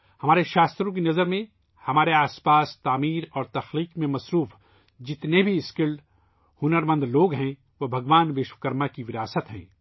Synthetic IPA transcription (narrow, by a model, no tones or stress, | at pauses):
hɐmaːɾeʃaːst̪ɾõk̬inɐzəɾmẽ | hɐmaːɾeaːspaːst̪aːmiːɾɔːɾt̪ɐxliːqmẽmɐsɾuːf | d͡ʒɪt̪nebʱiɪskɪlɖ | hʊnəɾmə̃nd̪loːɡɦɛ̃ | ʋobʱɐɡʋaːnʋeːʃwəkəɾmakiʋɪɾaːsət̪ɦɛ̰̃ː